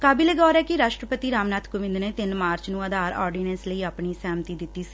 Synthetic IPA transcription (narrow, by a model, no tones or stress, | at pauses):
kaːbiːleːɡɔːɾɛːkɪɾaːʃʈɾəpət̪iːɾaːmnaːt̪ʰkʊʋɪ̃nd̪neːt̪ɪnmaːɾt͡ʃnũːəd̪aːɾɔ̰ːɾɖiːnɛ̃nsləiːaːpɳiːsɛːmt̪iːd̪ɪt̪ːiːsi̥